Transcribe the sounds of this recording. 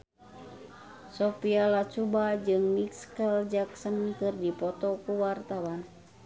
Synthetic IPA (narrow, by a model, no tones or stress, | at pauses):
sɔpialat͡ʃubad͡ʒɨŋmikskəld͡ʒaksənkɨrdipɔt̪ɔkuwart̪awan